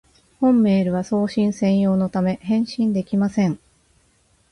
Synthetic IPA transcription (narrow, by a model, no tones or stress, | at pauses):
hõ̞mːe̞ːɾɯ̟βaso̞ːɕĩɰ̃sẽ̞ɰ̃jo̞ːno̞t̪ame̞hẽ̞ɰ̃ɕĩnd̪e̞kʲimasẽ̞ɴ